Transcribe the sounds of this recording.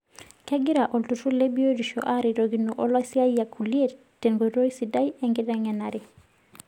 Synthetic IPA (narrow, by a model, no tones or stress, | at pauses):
kaɡiɾaʔɔltutulebijodiʃo̰ʔaɾiɾoɡinːuʔɔlasiajakʰulie | tɛnɡodojsidajɛŋɡidaŋɛnaɾi